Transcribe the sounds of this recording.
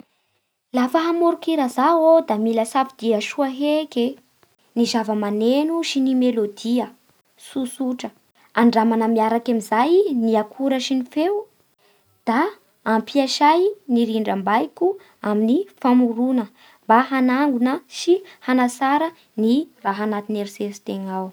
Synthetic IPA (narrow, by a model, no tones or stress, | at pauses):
lafəɦamoɾukiɾazaod̪amiləsafid̪̥iaʃuaɦeke | nizavəmanenuʃinimelod̪iə | susuʈ͡ʂə | aɳɖ͡ʐamanəmiaɾakamizajniakʰuɾəʃinifew | d̪̥aː | mpʰiaʃajniɾiɳɖ͡ʐəmbajku | aminifamuɾunə | mbaɦanaŋɡunəʃihanasaɾə | niraɦanat̪ineɾisest̪eŋaw